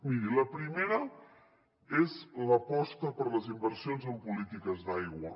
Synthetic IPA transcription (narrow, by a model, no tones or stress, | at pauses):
miɾiləpɾimeɾə | ezləpɔst̪əpəɾləzimbəɾsionzəmpulit̪ikəzðajɣwə